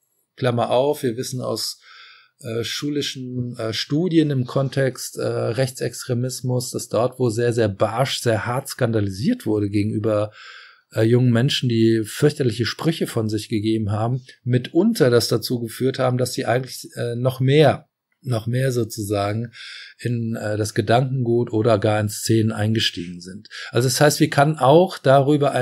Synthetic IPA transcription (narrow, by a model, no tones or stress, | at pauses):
kl̥amɐʔaʊfv̥iːɐvɪsn̩a̰ʊs | ʔɛːʃuːlɪʃn̩ʔɛːʃtuːdjənɪmkʰɔntʰɛkstʔɛ̰ːʁɛçt͡sɛkstʁ̥emɪsmʊsd̥asd̥ɔɐtv̥oːzeːɐzeːɐbaʃz̥eːɐhaɐtskandaliziːɐtv̥ʊɐɾəɡeːɡŋ̩ʔyːbɐ | ʔɛːjʊŋənmɛnʃn̩diːfʏɐçtɐlɪçəʃpʁ̥ʏçəfɔnzɪçɡ̥əɡeːbm̩ɦaːbm̩ːɪtʔʊntɐdasd̥at͡suːɡəfyːɐthaːbm̩dasz̥iːʔaɪɡŋ̩tlɪçʔɛːnɔχmeːɐ | nɔχmeːɐzoːt͡suzaːɡŋ̩ʔɪnʔɛːdasɡ̥ədaŋkŋ̩ɡuːtʔoːɾɐɡaːɐɪnst͡seːnənʔa̰ɪnɡəʃtḭːɡŋ̩zɪntʔalzoɛshaɪstv̥iːɐkʰanənaʊxd̥aʁyːbɐ